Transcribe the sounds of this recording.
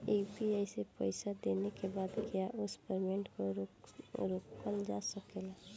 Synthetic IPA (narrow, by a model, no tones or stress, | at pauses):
ebiajsepə̰ɪsad̪eːnekebaːd̪kijaʔʊspəɾmẽɳʈkoɾɾoːkəld͡ʒa̰səkela